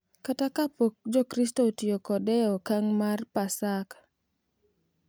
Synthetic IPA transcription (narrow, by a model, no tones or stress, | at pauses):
katakapok̚d͡ʒɔkɾistotiokɔdɛɔkaŋmarpasak